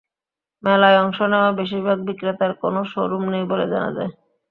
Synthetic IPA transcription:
mɛlaeɔŋʃonɛoabeʃ̬iɾbʱaɡ̚bikɾet̪aɾko̰noʃoɾumnejboled͡ʑana̰d͡ʑae

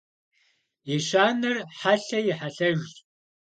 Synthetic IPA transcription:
jiɕaːnɐrħaɬɐjɪħaɬɐɣʼ

